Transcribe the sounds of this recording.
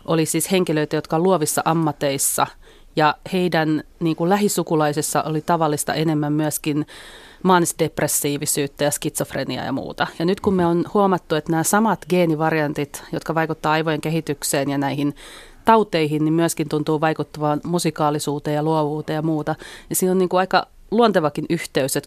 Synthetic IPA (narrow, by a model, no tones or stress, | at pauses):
ʔolisiːsheŋkiløit̪æjot̪kɑoluoʋisːɑʔɑmːɑt̪eisːɑ̰ | jɑheidænniːŋkullæɦisukulɑisisːɑʔolit̪ɑʋɑlːist̪ɑ̰ʔenemːæmmyæskin | mɑːnisdepresːiːʋisyːt̪ːæjɑskit̪sofrḛniɑ̰jɑ̰mṵːt̪ɑjɑnyt̪kummeonhuɑmɑt̪ːuet̪næːsɑmɑt̪ɡeːniʋɑrjɑnt̪it̪jot̪kɑʋɑikut̪ːɑːɑiʋojeŋkeɦit̪ykseːnjɑnæihin | t̪ɑut̪eihinnimmyæskint̪unt̪uːʋɑikut̪ːɑʋɑːnmusikɑːlisuːt̪ejjɑluoʋuːt̪ejɑmuːt̪ɑnisiːnonniːŋkuɑikɑ | luont̪eʋɑkinyht̪eyset̪